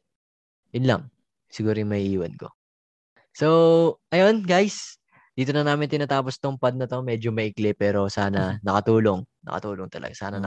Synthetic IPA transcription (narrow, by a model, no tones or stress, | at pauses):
jʊnlɐ̰ŋ | sɪɡuːɾojʊmɐɪʔiːwɐnko̞̰ | so̞ʔɐjo̞nɡajs | d̪̥iːt̪o̞nɐnaːmɪnt̪ɪnaːt̪aːpo̞st̪ʊmpaɐd̪̚nɐt̪o̞mɛːd͡ʒomɐʔɪklɛpɛːɾo̞saːnɐnɐkɐt̪uːlo̞ŋnɐ̰kɐ̰t̪uːloŋt̪ɐlɐ̰ɡasa̰ːnɐn